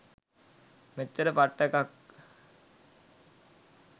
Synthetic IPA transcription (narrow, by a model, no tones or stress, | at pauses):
met͡ʃːəɾəpaʈːəkak